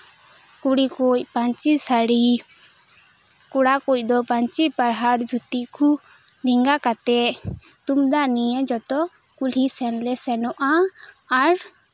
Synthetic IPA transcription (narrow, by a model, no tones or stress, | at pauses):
kuɽikuc̚paɲt͡ʃisaɽi | kuɽakuc̚ˀd̪ɔpaɲt͡ʃipaɽɦaɾd͡ʒʱut̪ikʰu | ɾiŋɡakat̪ɛt̪umd̪aʔnijəd͡ʒɔt̪ɔ | kulisɛnlɛsɛnɔʔaː | ɾ